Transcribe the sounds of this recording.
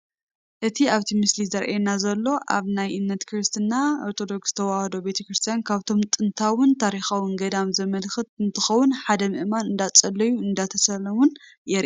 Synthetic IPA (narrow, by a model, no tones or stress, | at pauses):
ʔɨt̪ʰiaβt̪ʰimɨslizɐɾʔenazɐlːo̞ʔa̰βnajʔɨnːɐt̪kʰɾɨst̪ʰɨnːaoɾt̪ʰo̞d̪o̞ksz̥ɨ̥t̪ʰɐwahd̪o̞be̞t̪ʰɐkɾɨst̪ʰijankʰaβt̪ʰo̞mt̪ʼɨnt̪ʰawʊnt̪ʰaɾixawɨŋɡɐd̪amzɐmɐlxɨt̪ɨnt̪ʰɨxɐwʊnħad̪ɐmɨʔmanɨnd̪at͡sʼɐlːɐjuɨnd̪at̪ʰɐsɐlɐmun | jɛɾʔ